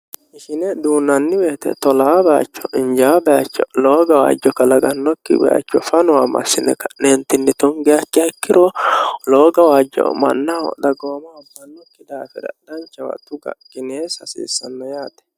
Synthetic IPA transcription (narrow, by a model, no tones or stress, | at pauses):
ʔɪʃɪnɛd̪uːnːɐnːɪbeːt̪ɛ̰t̪ɔlaːbɛa̰t͡ʃːɔʔɪnd͡ʒaːbɛat͡ʃːɔloːɡɐwa̰ːd͡ʒːɔkːɐlɐɡɐnːɔkːɪ̰bɛ̰ʔa̰t͡ʃːɔfɐnʊwamɐ̰sːɪnɛ̰kːɐnent̪ɪnːɪt̪ɔŋɡɛjɐkːɪjɐkːɪɾɔloːɡɐwaːd͡ʒːɔ̰mɐ̰nːɐɔ̰d̪ɐɡoːmɐːbːɐnːɔkːɪd̪aːfɛɾɐ̰d̪̥ɐnt͡ʃːɐwɐ̰t̪ʊɡɐ̰ɡ̥ɪneːsɐsḭːsːɐnːɔjaːt̪ɛ̥